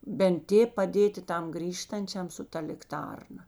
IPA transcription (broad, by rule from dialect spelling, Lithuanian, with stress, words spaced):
bʲɛnt ˈtʲeːp pɐˈdʲeːtʲɪ ˈtɐm ˈɡrʲiːʃtɐnʲt͡ʃʲɛm sʊ ˈtɐ lʲɪkˈtɐrnɐ